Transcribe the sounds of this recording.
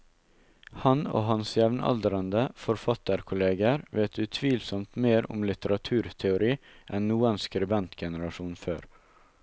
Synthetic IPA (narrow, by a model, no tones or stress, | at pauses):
hɑno̰ːɦɑnsjɛʋnɑ̰ld̪əɾənd̪əfɔɾfɑt̪əɾkʰʊleːɡəɾʋeːɛt̪ʉːt̪ʰʋiːlsɔmt̪meːɾʊ̰mlɪt̪əɾɑt̪ʰʉːɾt̪ʰɛʊɾiːʔɛnːuːɛnskɾʉbɛnt̪ɡɛnəɾɑʃuːnføːɾ